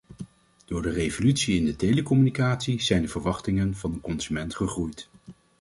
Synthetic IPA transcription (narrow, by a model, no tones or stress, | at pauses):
d̥ʊːɹdərejvolytsiɪndətejləkɔmynikaːtsiz̥ɛjndəvəɹʋɑχtɪŋənvɑndəkɔnzymɛntχəχrujt